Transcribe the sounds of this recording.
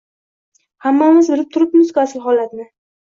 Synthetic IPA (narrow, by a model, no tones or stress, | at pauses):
hamːamɪzbɪɾɪp̚t̪ʰʊɾɪpmʊzkʲʊasɪlɦɒlat̪nɪ